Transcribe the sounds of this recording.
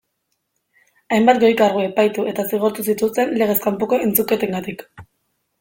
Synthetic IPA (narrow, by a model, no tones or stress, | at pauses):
ajmbat̪ɡo̞jkaɾɣoe̞pajt̪uʔe̞t̪asiɣ̞oɾt̪usit̪ust̪e̞nle̞ɣ̞e̞skampoko̞e̞nt͡suke̞t̪eŋɡat̪ik